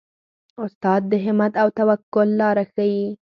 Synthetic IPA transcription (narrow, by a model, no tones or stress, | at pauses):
ʊst̪ɑd̪̚ːəɦɪmat̪awt̪awakʊlːɑɾaxaji